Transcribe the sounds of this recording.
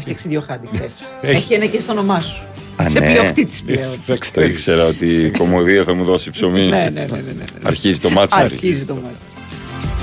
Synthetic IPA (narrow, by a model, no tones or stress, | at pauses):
fɐksiðʝjoxɐd̪ie | eçienɐcest̪ono̞mɐsu̥ | seleoxit̪i̥zmeoikseɾɐo̞t̪iko̞moðiɐθɐmuðo̞sipso̞mieneɐ̰ɾçizit̪o̞mɐt͡ssɐɾizit̪omɐt͡s